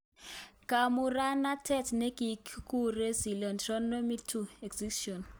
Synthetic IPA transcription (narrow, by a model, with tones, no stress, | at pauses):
ka˨mu˨ɾa˦na˦tʰɛ˦˨tne˦ki˨kku˦re˦zi˨lɔ˨ntrɔ˦no˦mi˦tʰu˦˨ɛ˨kzi˦ʃɔ˨n